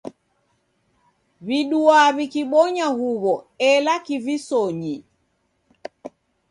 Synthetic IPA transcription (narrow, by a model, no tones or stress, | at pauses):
βiɗuaβikiɓɔɲahuβɔɛlakivisɔɲi